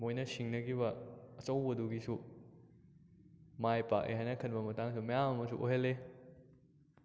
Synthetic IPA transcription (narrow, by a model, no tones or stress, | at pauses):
mojnɐsiŋnɐɡibɐːt͡ʃɐwbɐduɡisu | majpa̰kʔḛɦajnɐkʰɐnbɐmɐtaŋsumɐjamɐmɐsuʔoɦele